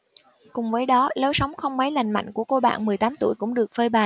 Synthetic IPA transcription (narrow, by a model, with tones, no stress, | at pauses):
kʊ˨˩ŋ͡mvəː˨˦jɗɔ˨˦lə˨˦wsa˨˦wŋ͡mxə˧wŋ͡mma˨˦jla˨˩jŋ̟ma̰˧˨jŋ̟ku˧˩əko˧ɓa̰ː˧˨nmɨ˨˩əjt̪aː˨˦mt̪u˧˩əjkʊ̰˧˥ŋ͡mɗɨ˨˩ək̚fəː˧jɓaː˨˩